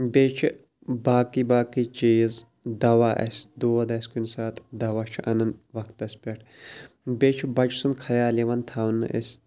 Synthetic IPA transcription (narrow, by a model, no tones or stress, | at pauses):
bʲeːt͡ʃʰi | baːkiːbaːkiːt͡ʃiːz | d̪ɐʋaːʔɐ̰sʲd̪oːɐd̪ɐsʲkunsaːt̪ʰd̪ɐʋaːt͡ʃʰiʔɐnɐnʋɐkʰt̪ɐsʲpʲɐʈʰ | beːt͡ʃʰibɐd͡ʒsunkʰɐjaːliʋɐnt̪ʰaːwnːɨ̰ʔɐ̰sʲ